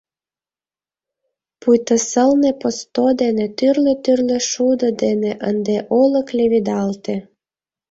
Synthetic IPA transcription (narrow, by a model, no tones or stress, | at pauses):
pujt̪əsəlnepost̪od̪enet̪yrlĕt̪yrlø̆ʃud̪ə̆d̪eneʔənd̪eʔolə̆klʲeβid̪ɑlt̪e